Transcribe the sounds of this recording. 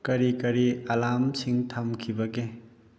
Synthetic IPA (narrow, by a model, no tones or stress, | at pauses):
kɐɾikɐɾiɐlamsʰiŋtʰɐmkʰibɐɡe